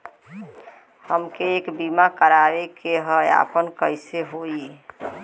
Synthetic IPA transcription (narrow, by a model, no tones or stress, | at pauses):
həmkeːkbimakəɾaʋekeɦəja̰pənkəɪseɦoi